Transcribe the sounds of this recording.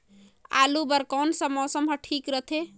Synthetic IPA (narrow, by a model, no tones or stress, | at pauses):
a̰ːlubəɾkɔːnsɐ̃mɔːsəmɦɐʈʰiːkɾət̪ʰe